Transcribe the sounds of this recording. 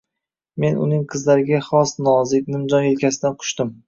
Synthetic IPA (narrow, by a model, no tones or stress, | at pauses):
me̞nʊ̰nɪŋqʰɨzlaɾɪɡʲaχɒsnɒzɪk̚ʲnɪmd͡ʒɒnelkʲʰasɪd̪anqʰʊ̥ʃt̪ɪm